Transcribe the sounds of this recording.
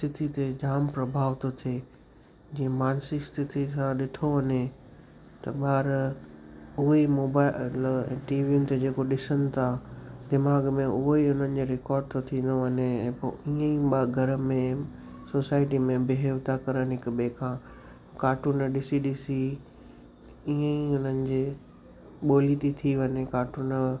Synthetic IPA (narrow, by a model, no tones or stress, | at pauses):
st̪ʰɪt̪ʰit̪ed͡ʑaːmpɾɐbʱaːʋt̪ot̪ʰeː | d͡ʑĩə̃maːnsist̪ʰɪt̪ʰisãɗɪʈʰoʋɐɲe | t̪ɐɓaːɾ | ʊɦimoːbaːlɛ̰̃ːʈiːʋiʊnɪt̪ed͡ʑeːkoɗɪsənɪ̆t̪ʰad̪ɪmaːɡmẽʔʊɦoiʊn̤ənɪ̆d͡ʑeɾɪkɔːɾɖ̚t̪ʰot̪ʰĩːn̆d̪oʋɐɲeɛ̃ːpo̰iːə̃iɓaɡʱɐɾ̆mẽ | soːsaːɪʈimẽbɪɦeːʋt̪akɐɾənɪɦɪkbeːkʰãː | kaːʈuːnɗɪsiɗɪsi | iːə̃iʊn̤ənɪ̆d͡ʑeː | ɓoːlit̪it̪ʰiʋɐɲekaːʈuːn